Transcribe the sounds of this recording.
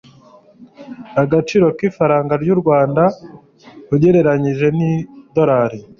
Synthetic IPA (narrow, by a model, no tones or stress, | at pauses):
aɡat͡ʃiːɾo̞kiːfaɾaːŋɡaɾɟuɾɡwaːnda | uɟe̞ɾe̞ɾaɲiʒe̞nido̞ɾaːɾi